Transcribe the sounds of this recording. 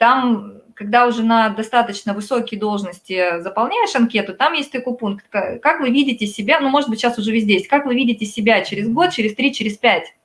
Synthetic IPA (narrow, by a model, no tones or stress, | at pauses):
t̪amkɐɡ̚d̪aʊʐɛnəd̪ɐst̪at̪ət͡ɕnəvɨsokʲɪjd̪o̞lˠʐnəsʲtʲɪzəpɐlˠnʲæjɪʂɐnkʲe̞t̪ʊt̪amjesʲt̚ʲt̪ɐkojpunkt̪kakakvɨvʲidʲɪtʲɪsʲɪbʲanumo̞ʐɨt̪̚bɨtʲɕasʊʐɛvʲɪzʲdʲejestʲkakvɨvʲidʲɪtʲɪsʲɪbʲat͡ɕɪɾʲɪzɡo̞t̪̚t͡ɕɪɾʲɪst̪ɾʲit͡ɕɪɾʲɪsʲpʲætʲ